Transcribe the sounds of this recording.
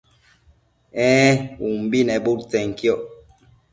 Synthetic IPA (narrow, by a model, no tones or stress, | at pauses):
ɛ̃ːumbinɛɓuɾt͡sɛŋkjɔʔ